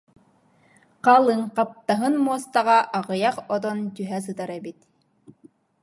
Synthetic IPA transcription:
qɑlˠɯŋqɑp̚t̪ɑɦɯnmuɔst̪ɑʁɑʔɑʁɯ̆jɑqɔd̪ɔnt̪yɦæs̬ɯt̪ɑɾɛbit̪

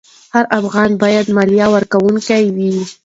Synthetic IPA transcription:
haɾʔafɣɑnbɑjad̪mɑljɑwəɾkawuŋkajwi

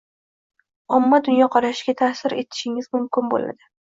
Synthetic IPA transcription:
ɒmːad̪ʊnjɒqʰɒɾaʃɡʲat̪ʰaːsɪɾe̞̰t̪ʰɪ̥ʃɪŋɪzmʊmkʲɪnbo̰la̰d̪ɪ

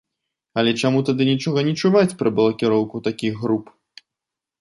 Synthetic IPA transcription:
ɐlʲɛt͡ʂamut̪ad̪ɨnʲit͡ʂɔɣɐnʲit͡ʂuvat͡sʲpɾɐbɐlˠɐkʲiɾɔwkut̪akʲiɣɣɾup

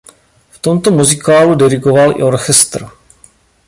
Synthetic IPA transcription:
ft̪o̞mt̪o̞muzɪkaːludɛɾɪɡo̞valʔɪ̰o̞ɾxɛst̪r̩

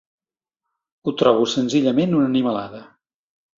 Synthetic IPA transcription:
ut̪ɾɔβ̞usənziʎəmenunəniməla̰ðə

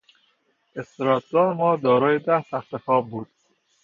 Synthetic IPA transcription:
est̪ɾɒːt̪̚ʰɡ̪ɒːɾmɒːd̪ɒːɾɒːjed̪æst̪æxt̪exɒːb̚buːd̪̥

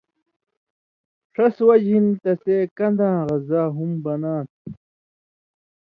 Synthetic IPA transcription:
ʂɐswɐd͡ʑint̪ɐsekɐnd̪ãːʁɐzaːɦumbɐnaːt̪̚

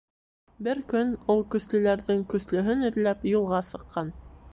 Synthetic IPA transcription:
bɘɾkɵnulˠkɵ̆slɵ̆læɾðɘŋkɵ̆slɵ̆ɦɵnɘ̆ɾlæpjulˠʁɑsɤ̆qːɑn

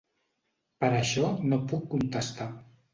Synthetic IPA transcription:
pəɾəʃɔnopukːunt̪əst̪a

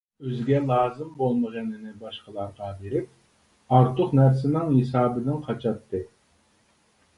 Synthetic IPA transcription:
øzɡʲɛlˠɑːzɨmbolˠməʁənɪnɪbɑʃqəlˠɑɾʁɑbeɾɪp̚ | ɑɾt̪ʰʊqnæɾsɪnɪŋhesɑːbɪd̪ɪnqʰɑt͡ʃʰɑt̪ʰːɨ

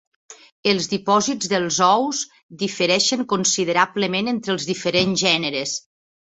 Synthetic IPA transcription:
əlˠzðipɔzid͡zzðəlˠzɔwz | ðifəɾɛʃəŋkonsið̞əɾapləmenent̪ɾəlˠzðifəɾenzʒɛnəɾes

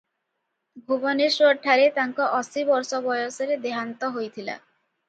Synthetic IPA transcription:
ɡʱubɔniɾʃoɾʈʰːaɾet̪aŋkɔʔɔsibɔɾsɔbɔjoseɾed̪eɦant̪ɔɦojt̪ʰila̰

